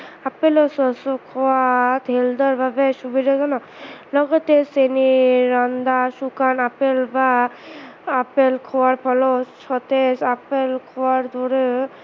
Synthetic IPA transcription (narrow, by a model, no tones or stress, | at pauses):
apelɔsɔsɔkʰɔat̪ɦeld̪ɔɾbabɛʃubiɾɔzɔnɔ | lɔɡɔt̪eseniɾɔnd̪asukanapelbaː | pelkʰɔwaɾpʰɔlɔt͡ʃʰɔt̪esapelkʰɔwaɾd̪ʱɔɾe